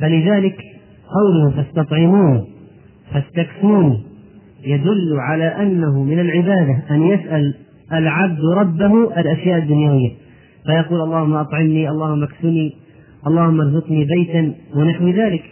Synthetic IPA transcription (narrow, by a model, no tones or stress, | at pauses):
falɪðaːlɪk | qɑwlʊhʊfast̪ɑt̪ˤʕɪmuːn | fast̪aksuːni | jad̪ʊlːʕalaːʔanːaɦʊmɪnalʕɪbaːd̪aʔanjasʔal | ʔalʕab̚d̪ɾˤɑbːahʔalʔaʃjaːʔad̪ːʊnjawɪjːa | fajɑquːlʔɑlˤːɑːhʊmːaʔɑt̪ˤʕɪmniʔɑlˤːɑːhʊmːaksʊniː | ʔɑlˤːɑːhʊmːɑɾˤzɪqniːbajt̪anwɪnaħwɪðaːlɪk